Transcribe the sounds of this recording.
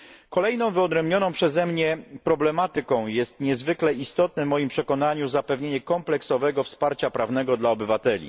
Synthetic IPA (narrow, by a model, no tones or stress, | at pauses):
kɔlɛjnɔ̃w̃vɘɔd̪ɾɛmbɲɔnɔ̃w̃pʂɛzɛmɲɛpɾɔblɛmat̪ɘkɔ̃w̃jɛst̪ɲɛzvɘklɛist̪ɔt̪̚nɛvmɔjimpʂɛkɔnaɲuzapɛvɲeɲɛkɔmplɛksɔvɛɡɔfspaɾt͡ɕapɾavnɛɡɔd̪laɔbɘvat̪ɛlʲḭ